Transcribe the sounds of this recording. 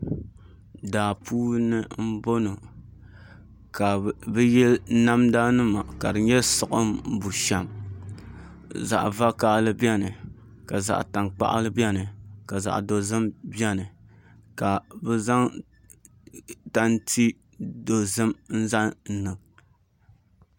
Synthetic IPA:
daː˨pʰuː˦nɨ˦m̩˦bo˦no˨ | ka˨bɨ˦jɛ˦lna˦mda˦nɨ˦ma˨ka˨dɨ˨ɲɛ˦sʊ˨ʔɨ˦m˦bu˨ʃɛ˨m | za̰˨ʔva˦ka˦ʔlɨ˦bi˦ɛ˦nɨ˨ | ka˨za̰˨ʔta˨ŋk͡pa̰˦ʔa̰˦lɨ˦bi˦ɛ˦nɨ˨ka˨za̰˨ʔdo˨zɨ˦mbjɛ˦nɨ˨ | ka˨bɛ˦za˦ŋ | ta˦ntʰi˦ | do˨zɨ˦mn̩˦za˦n̩˦nɨ˨ŋ

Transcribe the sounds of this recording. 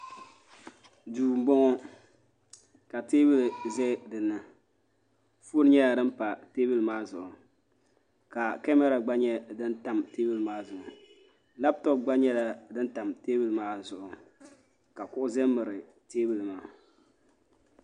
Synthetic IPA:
duː˨m̩˨bɔ˦ŋɔ˦ | ka˨teː˦bɨ˦˨lzɛ˦dɨ˨nːɨ˨ | fu˦ɾɲɛ˦la˨dɨ˦m˦pa˨te˦bi˦lmaː˦zʊ̰˨ʔʊ˨ | ka˨kɛ˦mɛ˦ɾa˨ɡ͡ba˦ɲɛ˦dɨ˦n˦ta˨mteː˦bi˦lmaː˦zʊ˨ʔʊ˨ | la˦b̚tɔ˦p̚ɡ͡ba˦ɲɛ˦la˨dɨ˦nta˨mte˦bɪ˨lmaː˦zʊ˨ʔʊ˨ | ka˨kʊ˦ʔʊ˦zɛ˦mɨ˨ɾɨ˨ | teː˦bɨ˦˨lmaː˦

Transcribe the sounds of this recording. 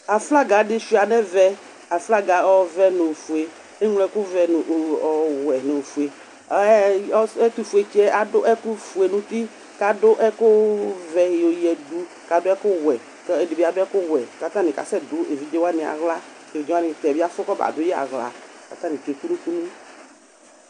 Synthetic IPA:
a˨fla˦ɡa˨de˦ʃi˨˦˨a˨nɛ˦vɛ˦ | a˨fla˦ɡa˨ɔ˦vɛ˦no˨fu˨e˨ | e˦ŋlɛ˦kʊ˦vɛ˨n˨ʔɔ˨wɛ˨no˨fu˨e˨˦ | ɛ˦ti˦fu˨e˨t͡ʃi˦ɛ˦ʔa˨dʊ˦ʔɛ˦ku˦fu˨e˨nũ˦t̪i˦ | ka˨dʊ˦ʔɛ˦kʊ˦vɛ˨jo˨jɛ˨du˦ | ka˨dʊ˦ɛ˦kʊ˦wɛ˨ | tɛ˨di˨bi˦˨a˨dʊ˦ɛ˦kʊ˦wɛ˨ka˨t̪ã˦nĩ˨ka̰˨sɛ˦dʊ˨˦e˨vi˦d͡ʒe˦wa˦nĩ˨a̰˨ɣla˦e˨vi˨˦d͡ʒe˦wa˦nĩ˨t̪ɛ˨bi˦a˦fʊ˦kɔ˦ba̰˨dʊ˦jɛ˦a̰˨ɣla̰˨ka̰˨t̪ã˦nĩ˨te˨ku˦nũ˦ku˦nu˦

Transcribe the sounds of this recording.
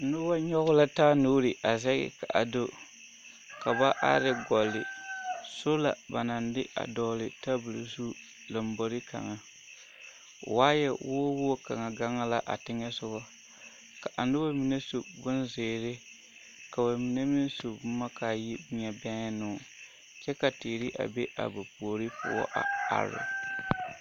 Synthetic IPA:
nʊ˦ba˦ɲɔ˦ɣʊ˦la˦taː˦nuː˦ɾɪ˨ʔa˨zɛ˦ɡɪ̰˨ka˨ʔa˨do˦ | ka˨ba˦ʔa̰˦ɾɪ˦ɡɔ˨lːɪ̰˨so˦la̰˨ba̰˨na˨ndɪ˦a̰˨dɔː˨lɪ˨ta˦bu˨lu˨zu˦ | la˨m˦bo˨ɾɪ˦ka̰˨ŋa˨ | waː˦jɛ˨woː˦woː˦ka̰˨ŋa˨ɡa˦ŋa˦la˦ʔa̰˨tɪ˦ŋɛ˦sʊ˦bɔ˦ | ka˨ʔa˨n˦dɪ˦ba˦mi˨ne˦su˨bʊ˦nzɪː˨ɾɪ˦ | ka˨ba˨mi˨ne˦mɪ˦n˦so˨bma˦kaː˨ji˦bɪ˦ɲɛ˨bɛ˦ŋ˦nʊ˨˦˨ | t͡ʃɛ˦ka˨tɪː˨ɾɪ˦ʔa̰˨be˦ʔa̰˨ba˨pu˨o˨ɾi˦pʊ˦ɔ̰˦ʔa˨a̰˨ɾʊ̰˨

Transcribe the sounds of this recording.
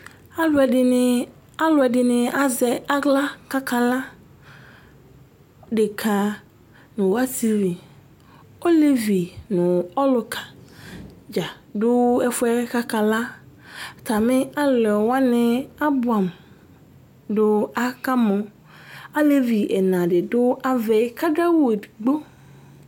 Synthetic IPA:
a˦lʊ˦ɛ˨dɪ˨ | a˦lʊ˨ɛ˨dɪ˨nɪ̃˨a˨zɛ˨a˦ɡla˦ka˦kʰa˨la˦ | dɪ˨kʰa˨ | nʊ̃˨wa˦si˦vi˨ | o˦le˦vi˨nʊ̃˨ɔ˦lʊ˨kʰa˨ | d͡ʒa˨ | dʊ˦ɛ˦fʊ˦ɛ˦ka˦kʰa˨la˦˨ | tʰa˨mɪ̃˦a˦lɛ˨wa˦nɪ̃˦a˦bʊ˨a˨m | dʊ˦a˦ka˦mɔ̃˨ | a˦le˦vi˨ʔɛ˨nã˨dɪ˨dʊ˦ʔa˦vɛ˨˦kʰa˦da˦wɡ͡bo˦

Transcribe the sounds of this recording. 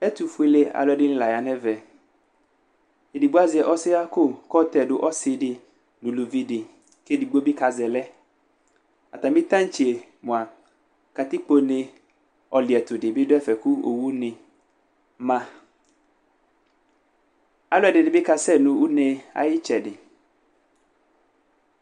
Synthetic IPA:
ɛ˦t̪u˨fu˦i˨˦le˦a̰˨lɔ˨ɛ˨dɪ˦ñ̩˦la˨ja˨nɛ˦vɛ˨ | e˨di˨ɡ͡bo˦a˦zɛ˨ʔɔ˦sɪ˦a˦kʊ˦˨kɔ˦t̪ɛ˨dʊ˦ʔɔ˦sɪ˨dɪ˨ | nʊ̃˨lu˨vi˦dɪ˨ | ke˦di˨ɡ͡bo˦bɪ˦ka˨zɛ˨lɛ˦ | a˨t̪a˨mɪ̃˦t̪ã˦n˦t͡ʃi˨e˨ | mʊ̃˨a˨ | ka˨t̪ɪ˦k͡po˦nɪ̃˦ | ɔ˨lɪ˨ɛ˨t̪ʊ˨dɪ˨bɪ˦dʊ˦ɛ˦fɛ˨kʊ˦o˨wu˦nɪ̃˨ | mã˦ | a˦lʊ˦ɛ˨dɪ˨nɪ̃˨bɪ˦ka˨sɛ˦˨nʊ̃˨u˦nẽ˦a̰˨jɪ˦t͡ʃɛ˨dɪ˨

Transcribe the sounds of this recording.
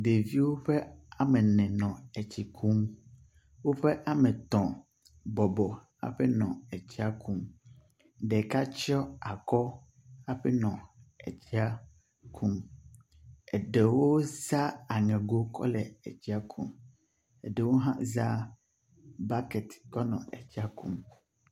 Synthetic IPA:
d̪e˨vi˦wo˦ɸe˦a˨mɛ̃˨nɛ̃˨nɔ̃˨ɛ˨t͡ɕi˨kʰu˦m | wo˦ɸɛ˦ʔa˨mɛ̃˨t̪ɔ̃˨ | bɔ˨bɔ˨ | a̰˨ɸɛ˦nɔ̰̃˨ɛ˨t͡ɕi˦a˦ku˦m | ɖɛ˨ka˦t͡ʃɔ˦a˨kɔ˦ | a˦ɸɛ˦nɔ̃˨ɛ̰˨t͡ɕi˦a˦ | kʰu˦m | ɛ˨ɖe˨wo˦za˦a˨ŋɛ̃˨ɡo˦kʰɔ̰˦lɛ˨ɛ̰˨t͡ɕi˦a˦kʰu˦m | ɛ̰˨ɖe˨wo˦ɦã̰˦za˦ | ba˦kɛ˨t̪kɔ˦nɔ̰̃˨ɛ̰˨t͡ɕi˦a˦ku˦m

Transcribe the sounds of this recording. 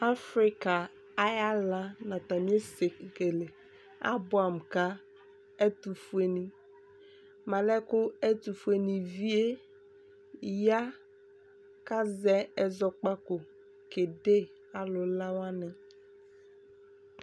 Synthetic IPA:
a˦fɾi˦ka˨ | a˦ja˦la˦nã˨t̪a˨mi˦e˦se˨ke˨le˨ | a̰˦bʊ˦˨a˨m˨ka˦ | ɛ˦t̪u˨fu˦e˨nĩ˨ | ma˨lɛ˦kʊ˦ɛ˦t̪u˨fu˦e˨nĩ˨vi˦e˦ | ja˦ | ka˦zɛ˦ɛ˨zɔ˨k͡pa˦ko˨ | ke˨de˦ | a˨lʊ˨la˦wa˦nɛ˨

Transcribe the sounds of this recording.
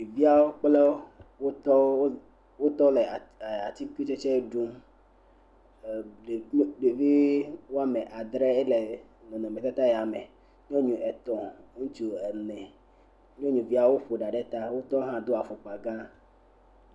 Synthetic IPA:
i˨vi˦a˦wo˦k͡ple˦wo˦t̪ɔ˦ | wo˦t̪ɔ˦le˨a˨t̪i˦ki˦t͡ʃe˦t͡ʃɛ˦ɖu˦m˨ | ɖe˨˦ɖe˨vi˦wo˦a˦mẽ˨ʔa˨d̪ɾe˦e˦le˨ | nɔ̃˨nɔ̃˨mɛ̃˨t̪a˦t̪a˦jɛ˨a˨me˨ | ɲ˦õ˦ɲũ˨ʔɛ˨t̪ɔ̃˨˦ŋũ˦t͡ʃu˦ɛ˨nɛ̃˨ | ɲõ˦ɲũ˨vi˦a˨wo˦ɸo˨ɖa˨ɖe˦t̪a˦wo˦t̪ɔ˦ɦã˦d̪o˦a˨fo˨k͡pa˨ɡã˦

